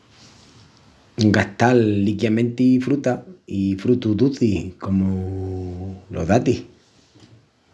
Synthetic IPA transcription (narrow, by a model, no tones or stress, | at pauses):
ŋɡaht̪alːikjamẽ̞nt̪ifɾut̪aifɾut̪uðuθikomo | lʔo̰ðat̪ih